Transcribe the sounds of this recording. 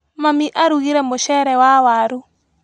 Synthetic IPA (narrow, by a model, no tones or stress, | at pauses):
mamiʔaɾuɣiɾɛmoʃɛɾɛwawaɾu